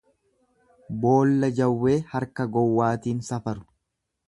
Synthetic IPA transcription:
bo̞ːlːɐd͡ʒɐwːe̞ːhɐɾkɐɡɔwːaːt̪iːnsɐfɐɾʊ̥

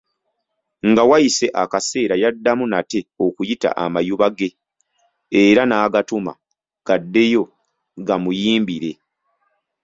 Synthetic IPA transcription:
ŋɡawajise̞ʔakase̞ːɾajadːamunate̞o̞kujita̰ʔa̰majuβaɡe̞ː | ɾanaːɡatuma̰ | ɡ̥adːe̞jo̞ | ɡamujiːmbiɾe̞

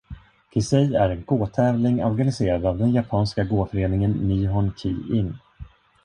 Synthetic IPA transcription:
t̪ʰɪlsɛjæɾɛnɡoːt̪ʰɛːvlɪŋɔɾɡanɪseːɾad̪avd̪ɛnjapʰɑːnskaɡoːfœɾeːnɪŋənːiːɦɔnkʰiːɪŋ

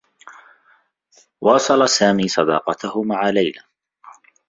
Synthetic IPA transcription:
wɑːsˤɑlasaːmiːsˤɑd̪ɑ̰ːqɑt̪ahʊmaʕalajla

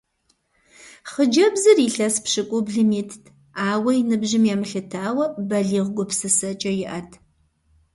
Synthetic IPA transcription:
χəd͡ʒɐbzɨriːɬɐspʃɨkʷʼʊbɮɨmiːtʰtʰ | aːwɐjinɨbʒɪmjɛmɨɬɨtʰaːwɐbɐɮiːʁɡʷʊpsɨsɐt͡ʃʼɐjɪʔɐtʰ

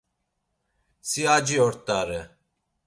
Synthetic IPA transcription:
siad͡ʒiɔɾt̪ʼaɾɛ

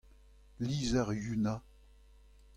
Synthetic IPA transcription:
liːzaʁjyna

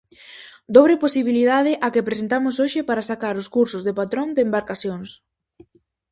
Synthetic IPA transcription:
d̪oβɾeposiβiliðað̞ɪʔakepɾesent̪amʊsoʃɪpaɾasakaɾʊskuɾsʊzðepat̪ɾond̪embaɾkaθjoŋs

